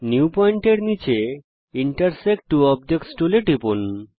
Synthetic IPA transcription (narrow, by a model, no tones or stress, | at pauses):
niuupɔiɳʈeɾnit͡ɕe | iɳʈaɾsek̚ʈːuɔbd͡ʑekʈsʈuleʈipun